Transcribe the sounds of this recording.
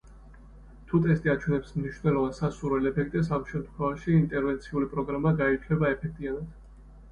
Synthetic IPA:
t̪ʰut̪ʼɛst̪ʼiat͡ʃʰwɛnɛpsmniʃvnɛlˠɔvansasuɾɛlɛpʰɛk̚ʰt̪ʼɛs̬amʃɛmt̪kʰwɛvaʃiːnt̪ʼɛɾvɛnt̪sʰiulipʼɾɔɡɾamaɡait͡ʃʰwɛbaɛpʰɛk̚ʰt̪ʼianad̪̥

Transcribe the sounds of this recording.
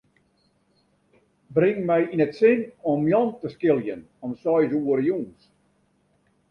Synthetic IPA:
brɪŋmɛjinətsɪnɔmjɔntəskɪlˠjən | ɔmsɔjzuəɾəjuns

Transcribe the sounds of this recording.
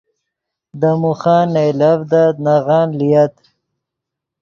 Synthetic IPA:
d̪amuxɑːnejlavd̪anaɣɑːnlijat̪

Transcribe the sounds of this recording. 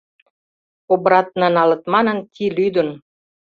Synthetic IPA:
obɾɑt̪̚nɑnɑlə̆t̪mɑnə̆nkʰilyd̪ə̆n

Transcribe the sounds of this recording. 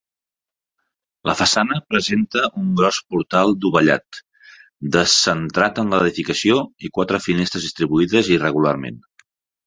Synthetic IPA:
lə̰fəsanəpɾəzent̪əʔuŋɡɾɔspuɾt̪alˠd̪uβəʎa̰t̪ | d̪əsːənt̪ɾat̪ənləðifikəsioikwat̪ɾəfinest̪ɾəzðist̪ɾiβuiðəzirəɣula̰rmḛn

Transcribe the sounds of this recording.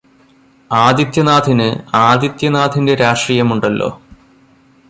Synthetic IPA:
aːd̪it̪jɐnaːd̪ʱinɨaːd̪jit̪jɐnaːd̪ʰʱinde̞ɾaːʂriːjɐmuɳɖɐlːo̞̰ː

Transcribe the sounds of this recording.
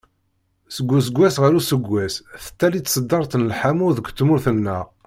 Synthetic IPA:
səɡʷːus̬əɡʷːæsʁəɾusəɡʷːæsθə̥t̪ːælit͡s̪ːsəd̪ːɑɾˤt̪ənəlħamuðəɡʷt̪ːmʊɾθənːəʁ

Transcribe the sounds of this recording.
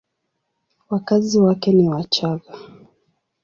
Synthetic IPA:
wakaziwakɛniwat͡ʃaɣa

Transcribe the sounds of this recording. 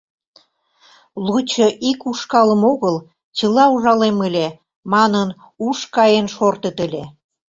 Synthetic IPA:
lut͡ɕɤʔikuʃkɑlə̆moɣəl | t͡ɕəlɑuʒɑlemə̆lʲe | mɑnən | uʃkɑjenʃort̪ət̪elʲe

